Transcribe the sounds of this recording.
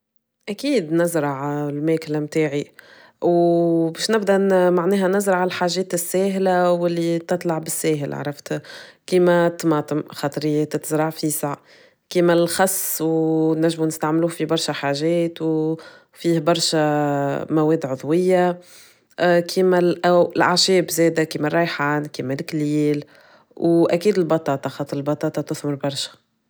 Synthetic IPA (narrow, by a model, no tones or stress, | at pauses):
ʔækiːd̪nɪzɾˤɑʕlmɛːklmt̪aːʕi | wbɛːʃnɪbd̪æʔmaʕnɛːɦænɪzɾˤɑʕalħaːʒɛːt̪ɪsːɛːɦlawɪlːit̪ɨt̪ˤlɑʕbɪsːɛːɦɪla̰ʕɾˤɑft̪kiːmæt̪mɑːt̪ˤəmxɑːt̪ˤɾijːɛːt̪t̪zɾˤɑʕfiːsɑʕ | kiːmælxɑsˤːwnːæʒːmunɪst̪aʕmluːhfibɑɾˤʃæħaːʒɛːt̪w | fiːhbɑɾˤʃæmæwɛːd̪ʕʊðˤwɪjːa | kʰiːmælʔæɪlʔaʕʃɛːbzɛːd̪ækiːmærˤːɑjħaːnkiːmælkliːl | wʔækiːd̪ɪlbɑt̪ˤɑːt̪ˤɑxɑːt̪ˤɨɾɪlbɑt̪ˤɑːt̪ˤɑt̪ʊθmʊɾbɑɾˤʃæ̥